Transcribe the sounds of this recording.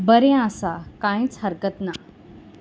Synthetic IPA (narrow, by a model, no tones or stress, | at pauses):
bəɾẽasakãĩt͡sɦəɾkət̪na